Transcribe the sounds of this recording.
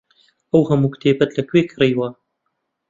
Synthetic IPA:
ɐwhɐmukt̪ʰeːbɐt̪lɐkweːkʰɾejwɐ

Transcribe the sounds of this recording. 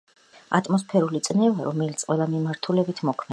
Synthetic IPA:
a̰t̪ʼmɔspʰɛɾulit̪sʼnɛvaɾɔmɛlit̪sʰqʼwɛlˠamimaɾt̪ʰulɛbit̪ʰmɔkʰmɛ

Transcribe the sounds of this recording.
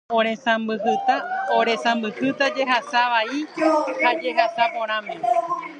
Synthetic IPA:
õɾẽ̞sãmbɨhɨt̪aoɾẽ̞sãmbɨhɨt̪ad͡ʒe̞ɦasaʋaihad͡ʒe̞ɦasapõ̞ɾ̃ãmẽõ

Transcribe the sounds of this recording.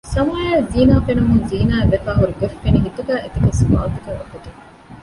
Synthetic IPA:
sɐmaːjaːziːnaːfenɐmunziːnaːeʋefæːɦuɾuɡefːeniɦit̪uɡæːʔet̪iɡesba̰ːt̪uɡæːʋɐkuʈ̪i

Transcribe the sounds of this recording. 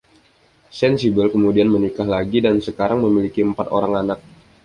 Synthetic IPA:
sɛnsibəlkəmudianmənikahlaɡidansəkaɾaŋməmilikiəmpat̪oɾaŋanak̚

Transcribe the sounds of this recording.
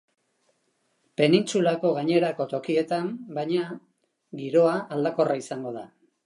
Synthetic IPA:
pe̞nint͡sulako̞ɣaɲe̞ɾako̞t̪o̞kie̞t̪ambajɲa | ɡiɾo̞aʔːld̪ako̞rʔaisaŋɡo̞ða

